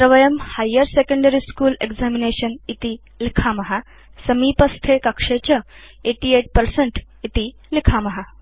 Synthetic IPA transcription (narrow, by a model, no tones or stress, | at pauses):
ɾəʋəjəmhajːəɾsekə̃ɳɖəɾiskuːleɡd͡zamineɕənit̪i | likʰamɐɦa | səmipəst̪ʰekɐkʂet͡ɕə | eʈieʈ̚pəɾseɳʈ | it̪i | likʰamɐɦa